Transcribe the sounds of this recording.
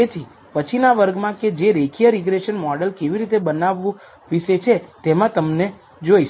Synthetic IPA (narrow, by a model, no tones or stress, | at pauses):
et̪ʰi | pət͡ʃʰinaʋəɾɡmãked͡ʒeɾekʰijəɾiɡɾeʃənmɔɖəlkeʋiɾit̪ebənaʋːũ | ʋiʃet͡ʃʰet̪emãt̪əmne | d͡ʒojʃ